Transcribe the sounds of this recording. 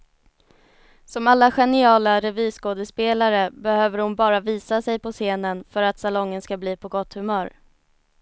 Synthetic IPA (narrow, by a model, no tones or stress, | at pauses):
sɔmalːaɧɛnɪɑːlaɾɛviːskoːd̪əspeːlaɾəbɛhøːvəɾhʊnbɑːɾaviːsasɛjpɔseːnənfœɾat̪salɔŋːənskabliːpʰɔɡɔt̪ːhɵmœːɾ